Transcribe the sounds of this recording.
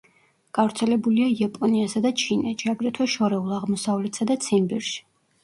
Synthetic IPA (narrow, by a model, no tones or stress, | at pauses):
ɡ̥avɾt̪sʰɛlɛbuliaiapʼɔniasad̪at͡ʃʰinɛt͡ʃʰiaɡɾɛt̪ʰwɛʃɔɾɛulˠaʁmɔsavlɛt̪sad̪at̪sʰimbɛɾʃi̥